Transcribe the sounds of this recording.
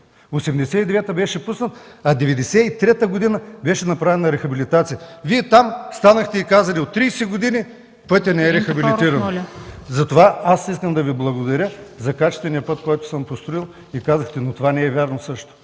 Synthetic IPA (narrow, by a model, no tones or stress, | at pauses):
osɛmd̪ɛsɛid̪ɛvɛt̪əbɛʃɛpusnət̪ɐd̪ɛvɛd̪ɛsɛit̪ɾɛt̪əɡod̪inəbɛʃɛnɐpɾavɛnɐɾɛxɐbilit̪at̪sijəviɛt̪amst̪anəxt̪ɛikazəlʲiot̪ːɾijsɛɡod̪inʲi | pɤt̪ʲɐnɛɛɾɛxɐbiliiɾɐnzɐt̪ovaasiskəmd̪ɐviblˠɐɡod̪ɐɾʲəzɐkat͡ʃɛ̥st̪vɛniəpɤt̪̚koɔjt̪ʊ̥səmpost̪ɾʊilˠ | ikazəxt̪ɛnot̪ovanɛːvʲaɾnosɤʃt̪ʊ̥